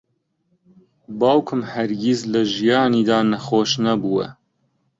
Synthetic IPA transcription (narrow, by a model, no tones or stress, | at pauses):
bɑːwkʰɨmhɛɾɡizlɐʒijɑːniːd̪ɑːnɐxoːʃnɐbuːwɛ̰